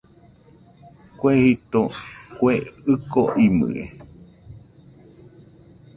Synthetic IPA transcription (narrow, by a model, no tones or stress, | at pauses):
kwehit̪okweɨkoʔimɨ̰ḛ